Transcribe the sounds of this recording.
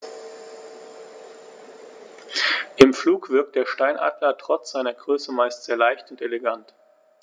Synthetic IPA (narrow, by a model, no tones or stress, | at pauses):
ʔɪmfluːkv̥ɪɐk̚t̚d̥eːɐʃtaɪnʔa̰ːdlɐtʁ̥ɔt͡sz̥aɪnɐɡʁøːsəmaɪstz̥eːɐlaɪçtʊnteleɡant